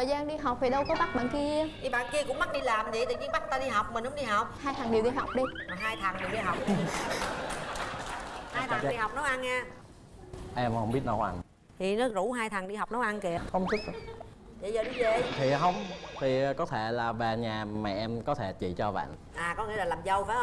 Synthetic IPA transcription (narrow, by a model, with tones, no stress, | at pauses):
t̪ʰəː˨˩jzaː˧nɗi˧ɦa˨˩wk͡p̚t̪ʰi˨˩ɗə˧wkɔ˨˦ɓa˦˥k̚ɓa̰ː˧˨nki˧əʔi˧˩ɓa̰ː˧˨nki˧əkʊ̰˧˥ŋ͡mma˦˥ɗi˧laː˨˩mzḭ˧˨jt̪əː˨˩ɲi˧ə˦ɓa˦˥k̚t̪aː˧ɗi˧ɦa˨˩wk͡p̚mï˨˩n̟ɗʊ˨˦ŋ͡mɗi˧ɦa˨˩wk͡p̚haː˧jt̪ʰa˨˩ŋɗi˨˩əwɗi˧ɦa˨˩wk͡p̚ɗi˧˨˩ɦaː˧jt̪ʰa˨˩ŋɗi˨˩wɗi˧ɦa˨˩wk͡p̚ | haː˧jt̪ʰa˨ŋ˨ɗi˧ha˨˩wk͡p̚nɔ˨˦wʔa˧nɲaː˧˩ | ʔɛ˧mhə˧ŋ͡mɓi˦˥ət̚nə˧˨˦wʔa̰˧˩n | t̪ʰi˨˩nɔ˨˦zu˧˥ɦaː˧jt̪ʰa˨˩ŋɗi˧ɦa˨˩k͡pnə˨˦wʔa˧nke˨˩xə˧wŋ͡msʰu˦˥k̚ | jḭ˧˨jzəː˨˩ɗi˧ve˨t̪ʰi˨˩ɦə˧wŋ͡mt̪ʰi˨˩kɔ˨˦t̪ʰe˧˩laː˨˩ɓe˨˩ɲaː˨˩mɛ̰˧˨˩ʔɛ˧mkɔ˨˦t̪ʰe˧˩t͡ɕḭ˧˨t͡ɕɔ˧ɓa̰ː˧˨n | ʔaː˨˩kɔ˨˦ŋḭ˧˥əlaː˨˩laː˨˩mzə˧˩wfaː˨˦hə˧